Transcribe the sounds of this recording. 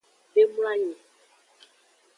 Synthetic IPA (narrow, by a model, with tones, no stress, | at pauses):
be˦mu˦la˦ɲɛ̃˨